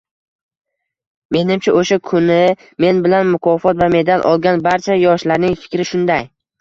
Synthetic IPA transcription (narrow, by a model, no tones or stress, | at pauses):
me̞nɪmt͡ʃʰaʔoʃakʰʊnɪ | me̞nbɪlanmʊkʰɒfɒt̪vame̞d̪alʔɒ̰lˠɡʲanbaɾt͡ʃʰajɒʃlaɾnɪŋfɪ̥kʲɾɪʃʊnd̪aj